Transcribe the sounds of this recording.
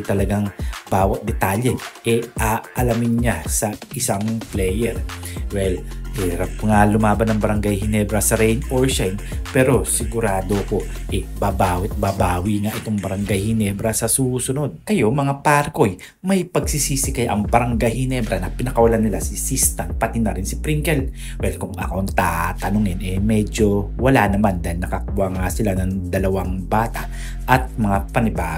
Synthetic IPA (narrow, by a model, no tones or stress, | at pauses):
t̪ɐlɐɡaŋb̥aːwɐt̪̚d̪ɛt̪aːlɛʔɛʔaʔɐlamɪnɲasɐʔɪsaŋplɛjɛɾwɛlhɪɾap̚ŋalʊmaːbɐnɐŋbɐɾɐŋɡajhɪnɛːbɾɐsɐɾɛjnʔoɹʃɛjnpɛːɾo̞sɪɡʊɾaːd̪oko̞ | ʔɛbabaːwɪt̪̚babaːwiŋaʔɪt̪o̞ŋbɐɾɐŋɡajhɪnɛːbɾɐsɐsusʊno̞d̪̚kɐjo̞mɐŋapaɾko̞j | mɐjpɐɡ̚sisisɪkɐjʔɐŋbɐɾɐŋɡajhɪnɛbɾɐnɐpɪnɐkɐwɐlanːɪlasɪsist̪ɐmpɐt̪ɪnɐɾɪnsɪpɾiŋkɛl | wɛlkʊŋɐ̰koɐŋt̪a̰ːt̪ɐnʊŋɪnʔɛmɛd͡ʒo̞wɐlanɐmand̪aɪlnɐkɐkuwaŋasɪlanɐŋd̪ɐlɐwaŋbaːt̪a | ʔɐt̪̚mɐŋapɐnɪbaː